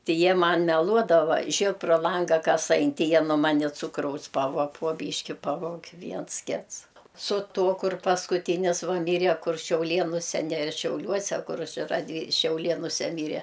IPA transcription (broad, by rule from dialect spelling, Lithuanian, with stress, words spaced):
ˈtʲɪ ˈjiɛ ˈmɐn mʲɛˈlˠuɔdɐʋɐ ˈʒʲeːk proː ˈlˠɐŋɡɐ ˈkɐs ˈɐɪn ˈtʲɪ ˈjiɛ nuɔ ˈmɑːnʲɪ ˈt͡sʊkrɐʊs ˈpɑːʋuɔ poː ˈbʲiːʃʲkʲɪ ˈpɑːʋoːkʲ ˈʋʲiɛns ˈkʲɪts sʊ ˈtoː kʊr pɐskʊˈtʲiːnʲɪs ˈʋɐ ˈmʲiːrʲɛ kʊr ʃʲɛʊˈlʲeːnʊsʲɛ nʲɛ ʃʲɛʊˈlʲuɔsʲɛ ˈkʊr ˈt͡ʃʲɛ rɐˈdʲʋʲiː ʃʲɛʊˈlʲeːnʊsʲɛ ˈmʲiːrʲɛ